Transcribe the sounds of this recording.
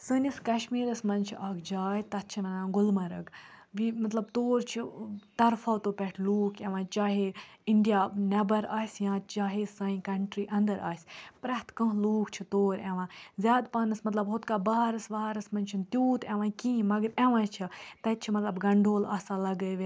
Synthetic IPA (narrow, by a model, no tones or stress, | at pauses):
səːniskɐʃmiːɾɐsmɐnt͡ʃʰiʔaːkʰd͡ʒaːjt̪ɐt̪̚t͡ʃʰinɐnãːɡʊlmɐɾɐ̰ɡʋimɐt̪lɐb̚t̪oːɾt͡ʃʰit̪ɐɾfaːwt̪oːpʲɛʈʰluːkʰeʋãːt͡ʃaːɦeiɳɖijaːnɐbɐɾaːsʲjãːt͡ʃaːɦesɐĩkɐɳʈɾiːʔɐ̃nd̪əɾa̰ːsʲpɾɐɦt̪kɐ̃ɦluːkt͡ʃʰit̪oːɾeʋãːzʲjaːd̪paːnɐsmɐt̪lɐbɦʊt̪kaːbɐaːɾɐsʋaɦaːɾɐsmɐnʲt͡ʃʰint̪juːt̪eʋãːkĩːmɐɡəɾeʋãːjt͡ʃʰit̪ɐt̪t͡ʃʰimɐt̪lɐbɡɐɳɖʱoːlaːsaːlɐɡəʋe